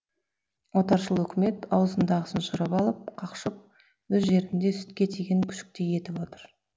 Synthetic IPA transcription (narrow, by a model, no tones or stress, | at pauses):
wo̞t̪ɑɾʃəlˠɵkʲɪme̞t̪ɑwəzənd̪ɑʁəsənʃʊɾəpɑlˠəp̚qʰɑqʃəp̚ | wɵzʒe̞ɾɪnd̪e̞sʏ̥t̪kʲe̞t̪ʰeɡʲeŋkʲʰʏ̥ʃɪ̥k̚t̪eje̞t̪ɪpo̞t̪əɾ